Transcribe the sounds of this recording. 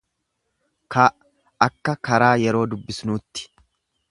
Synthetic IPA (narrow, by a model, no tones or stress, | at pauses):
kɐ | ɐkːɐkɐɾaːjɛɾo̞ːd̪ʊbːɪsnuːt̪ːɪ̥